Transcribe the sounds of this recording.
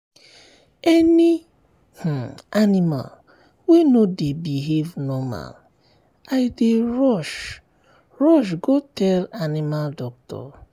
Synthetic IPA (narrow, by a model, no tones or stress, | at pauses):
ɛni | h̩anima̰l | wenodebiɦevnɔma̰l | aɪdeɹɔʃ | ɹɔʃ̬ɡotɛlanimaldɔk̚tɔ̰